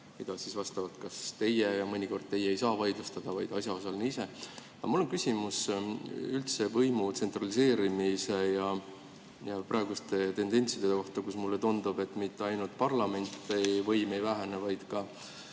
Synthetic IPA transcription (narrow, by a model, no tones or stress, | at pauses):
mid̪̥ɑsisvɑst̪ɑvɑt̪kɑst̪e̞jejɑmɤnʲiko̞rd̪̚t̪e̞jeejsɑːvɑjd̪lust̪ɑd̪̥ɑvɑjd̪̥ɑsʲjɑo̞sɑlniːise̞ | ɑ̰mulːo̞nkysʲimus | ylt̪sevɤjmut̪se̞nt̪ˑrɑlise̞ːɾimise̞jɑ | jɑprɑe̞ɡust̪e̞t̪e̞nd̪e̞nʲt̪sid̪̥e̞eko̞ht̪ɑkusmulːet̪und̪̥ub̥e̞t̪ːˑmit̪ːeɑjnult̪̚pɑrlɑme̞nʲt̪ːˑevɤjmejvæɦænevɑjd̪̥kɑ